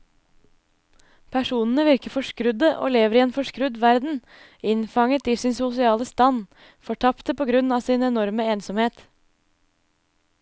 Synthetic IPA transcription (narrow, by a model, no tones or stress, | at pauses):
pʰæʂuːnən̩əʋɪɾkəfɔʂkɾʉd̪əʔo̰ːleːʋəɾiːeːnfɔʂkɾʉd̪ʋæɾd̪n̩ | ɪnfɑŋət̪iːsɪnsʊsɪɑːləst̪ɑn | fɔʈʰɑpt̪əpʰoːɡɾʉnɑːsɪnɛnɔɾməeːnsɔmheːt̪